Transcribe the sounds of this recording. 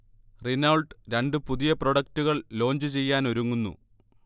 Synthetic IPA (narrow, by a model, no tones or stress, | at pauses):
rinɐɭɖɾe̞ɳɖɨpuðijɐproɽɐk̚tuɣɐɭlo̞ːɲd͡ʑɨt͡ɕe̞jːaːno̞ɾuŋːunːṵ